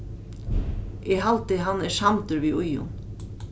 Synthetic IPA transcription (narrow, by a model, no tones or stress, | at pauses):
ɛɣɦalt̪ɪɦanːɛsamt̪ʏɾviːʔʊjʊ̰n